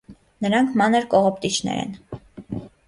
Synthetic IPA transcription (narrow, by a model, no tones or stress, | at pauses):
nəɾɑŋkʰmɑnəɾkɔʁɔp̚t̪it͡ʃʰnɛ̰ɾɛ̰n